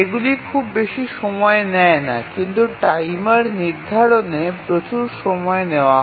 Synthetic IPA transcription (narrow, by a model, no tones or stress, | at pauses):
eɡulikʰubːeʃiʃɔmɔenɛena̰kint̪uʈajmaɾniɾd̪ʱaɾonepɾot͡ɕuɾʃɔmɔeneoaɦ